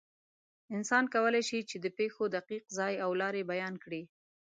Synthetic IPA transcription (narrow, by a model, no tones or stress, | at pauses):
ɪnsɑnkawəlajʃit͡ʃed̪əpexod̪aqiqzɑjawlɑɾebajɑnkɽi